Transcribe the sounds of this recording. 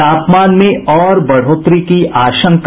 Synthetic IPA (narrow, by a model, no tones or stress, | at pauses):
aːpmaːnmẽʔɔːɾbɐɽ̤oːt̪ɾikiʔaːʃə̃ŋk